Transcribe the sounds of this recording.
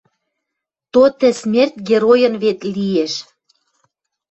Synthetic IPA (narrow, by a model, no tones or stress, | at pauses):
t̪ot̪ɘ̆smʲert̪̚ʲɡʲeɾojə̆nβet̪lieʃ